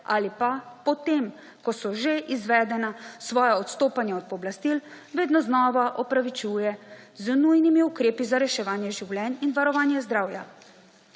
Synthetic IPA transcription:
aːlipapɔt̪em | kɔsɔʒeʔizʋɛːd̪ɛnasʋɔːjaɔt̪st̪oːpanjaɔd̪̚pɔblast̪il | ʋeːd̪nɔznɔːʋaʔɔpɾaʋit͡ʃuːjɛ | znujnimiukɾeːpizaɾɛʃɛʋaːnjɛʒiwljɛninʋaɾɔʋaːnjɛzd̪ɾaːwja

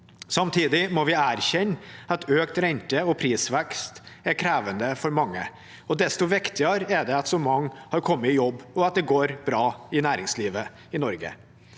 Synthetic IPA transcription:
sɑmt̪ʰiːd̪ɪmɔʋɪæːɾçɛnːɑt̪ʰøːkt̪ɾɛnt̪əɔpʰɾiːsʋɛkst̪ɛɾkʰɾæːʋənd̪əfɔɾmɑŋːə | ɔd̪ɛst̪ɔʋɪkt̪ɪəɾɛɖɛɑt̪sɔmɑŋːhɑɾkʰɔmːəɪjɔbːɔɑt̪̚d̪ɛɡoːɾbɾɑːɪnæːɾɪŋsliːʋə | ɪnɔɾɡə̰

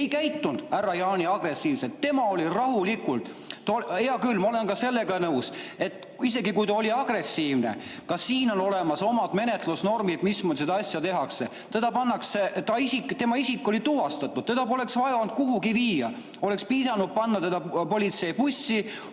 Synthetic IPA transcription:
ejkæjt̪ːund̪̥ærːɑjɑːnʲiɑɡ̥re̞siːvse̞lt̪ːe̞mɑo̞lirɑɦulikult̪ː | eɑkylːmɑolenkɑse̞lːe̞ɡɑnɤwset̪ːˑ | ise̞ɡikujt̪ɑo̞lʲiɑɡ̥re̞sːiːvnḛkɑsiːno̞no̞le̞mɑso̞mɑd̪me̞ne̞t̪ˑlusno̞rmid̪̥mismused̪ɑɑsʲjɑt̪e̞ɦɑkse̞ | t̪e̞d̪̥ɑpɑnːɑkset̪ɑisikt̪e̞mɑisikˑːo̞lit̪uvɑst̪ɑt̪ːˑud̥̪̚ted̪ɑpo̞le̞ksvɑjɑond̪̥̚kuɦuɡiviːjɑ̰ | o̞le̞kspiːsɑnud̪̥̚pɑnːɑt̪e̞d̪̥ɑpo̞lit̪se̞jpusʲi

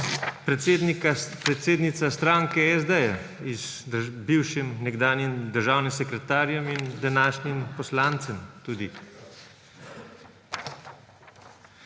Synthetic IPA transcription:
pɾd̪nikapɾɛt̪seːd̪nit̪sast̪ɾaːŋkɛɛzd̪ɛjɛ | iz | biwʃimnɛɡd̪aːnjimd̪əɾʒaːwnimsɛkɾɛt̪aːɾjɔmind̪anaːʃnimpɔslaːnt̪sɛmt̪uːd̪i

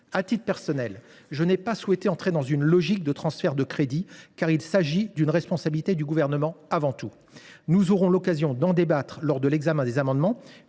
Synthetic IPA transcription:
at̪it̪pɛʁsɔnɛlʒənɛpaswɛt̪eɑ̃t̪χed̪ɑ̃zynlɔʒik̚d̪ət̪χɑ̃sfɛʁd̪əkχed̪ikaʁilsaʒid̪ynʁɛspɔ̃sabilit̪ed̪yɡuvɛʁnəmɑ̃avɑ̃t̪u | nuzɔʁɔ̃lɔkazjɔ̃d̪ɑ̃d̪ebat̪χlɔʁd̪əlɛɡzamɛ̃d̪ezamɑ̃d̪mɑ̃

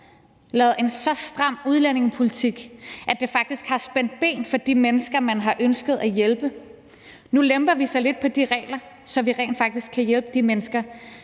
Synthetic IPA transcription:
lɛːð̩ˠe̝nsɒ̽sd̥ʁɑ̈m̰uð̞ˠlæne̝ŋəpʰo̝lit͡sʰiɡ̥ʔæd̥e̝fɑ̈ɡ̥̚d̥isɡ̥hɑ̈sb̥en̰d̥̚b̥e̝̰ːnfɒ̽d̥imenəsɡ̥ɐmænɦɑ̈ʔønsɡ̥əð̞̩ˠæjelb̥ə | nulemb̥ɐʋisɑ̈ɪle̝d̥̚pʰɒ̽d̥iʁɛ̰ːlɐ | sɒ̽ʋiʁɛ̰ːnd̥fɑ̈ɡ̥d̥isɡ̥kʰːæjelb̥əd̥imenəsɡ̥ɐ

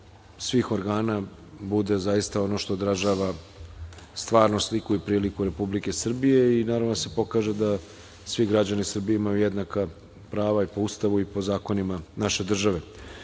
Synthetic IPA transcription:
sʋiːxo̞ɾɡaːna | bud̪e̞zaist̪ao̞no̞ʃt̪o̞ːd̪ɾaʒaʋa | st̪ʋaːɾnoslikuipɾiːlikuɾe̞publike̞sr̩bije̞inaːɾaʋnose̞po̞kaːʒed̪a | sʋiɡɾad͡ʑanisr̩bijeimajujed̪naka | pɾaːʋaipoust̪aʋuipo̞zaːko̞nimanaʃe̞d̪r̩ʒaʋe̞

